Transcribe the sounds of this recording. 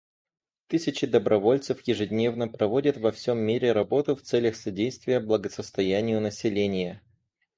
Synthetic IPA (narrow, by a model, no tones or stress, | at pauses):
t̪ɨsʲɪt͡ɕɪd̪əbɾʔɐvo̞lʲt̪sɨfjɪʐɨdʲnʲe̞vnəpɾɐvo̞dʲət̪vɐfsʲo̞mːʲiɾʲɪɾɐbo̞t̪ʊft̪sɛlʲəxsɐdʲejst̪vʲɪjəblˠəɡəsəst̪ɐjænʲɪjʊnəsʲɪlʲenʲɪjə